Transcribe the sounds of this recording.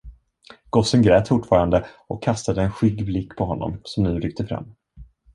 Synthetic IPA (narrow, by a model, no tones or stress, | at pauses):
ɡ̥ɔsənɡɾɛːt̪fʊʈːfɑːɾand̪əʔɔkʰːast̪ad̪əːnɧʏɡblɪkːpʰɔɦɔnːɔ̰msɔmnʉ̟ːɾʏk̚t̪əfɾa̰mː